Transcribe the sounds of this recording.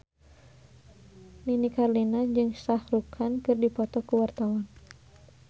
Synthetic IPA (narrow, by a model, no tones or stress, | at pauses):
ninikarlinad͡ʒɨŋst̪ahrukʰankɨrdipɔt̪ɔkuwart̪awan